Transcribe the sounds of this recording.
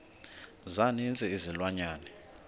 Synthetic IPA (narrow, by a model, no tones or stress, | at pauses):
zanint͡sʼɛizilwaɲaːnɛ